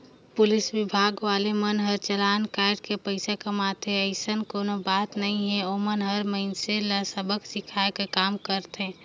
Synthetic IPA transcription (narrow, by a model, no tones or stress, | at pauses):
pʊlɪsʋɪbʱaːɡʋaːlemənɦəɾt͡ʃəlankaɾɖkepəɪsakəmat̪ẽəɪsənkoːnobaːt̪nəɦĩɦɛ̃oːmənɦəɾməɪnseləsəbəksɪkʰaekekaːmkəɾt̪ɦɛ̃